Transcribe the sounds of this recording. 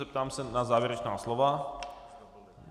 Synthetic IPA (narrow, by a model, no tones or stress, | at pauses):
ɛpt̪aːmsɛnazaːvjɛɾɛt͡ʃnaːslɔva